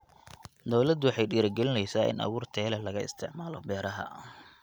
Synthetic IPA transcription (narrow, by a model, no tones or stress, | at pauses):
d̪ɔwlɐd̪wɑħɑjɖiːɾɐɡɛlɪnɛjsaːʔɪ̰nʔɐ̰ɣuːrt̪ʰɛːlɐlɐɣɐɪ̰st̪ʰɪʕmaːlɔ̰bɛːɾɐɦɐ̰